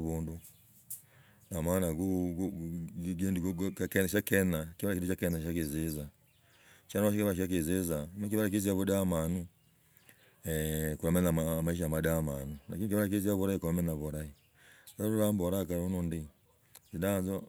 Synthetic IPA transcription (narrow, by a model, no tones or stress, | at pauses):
βundu | namanaɡu | ɡendiɡkkɛʃakɛnakiβaɾakitut͡ʃakɛnaakezeza | ʃanaβaʃikiβaʃ̬ak̬ezezamak̬iβaɾak̬iziaβudamanu | kuɾamɛnaamaiʃ̬amadamanula̰kinikiβaɾak̬eziaβuɾaikuɾamɛnaβuɾai | aɔɾuɾambɔɾakaɾonundi | zidazɔ